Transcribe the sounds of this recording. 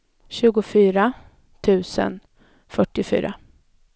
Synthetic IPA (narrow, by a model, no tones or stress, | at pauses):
ɕʉ̟ːɡʊfyːɾa | t̪ʰʉ̟ːsə̰n | fœʈːɪfy̰ːɾʔa̰